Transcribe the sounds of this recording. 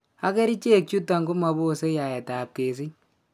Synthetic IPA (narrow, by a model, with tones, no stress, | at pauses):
a˦kɛ˦ɾi˦t͡ʃe˦˨k̚t͡ʃu˦ta˨ŋɡu˦ma˨bo˦˨se˦ja˨jɛ˨ta˨p̚ke˨s̬ɪ˦ɲ